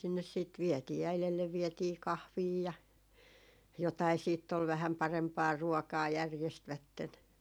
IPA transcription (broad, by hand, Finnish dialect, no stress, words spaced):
sinːes siːt ʋiɛtiː æilelːeʋ ʋietiː kɑhʋiː jɑ jotɑi siːtː ol ʋæhæm pɑrempɑː ruɔkɑː jærjestʋætːen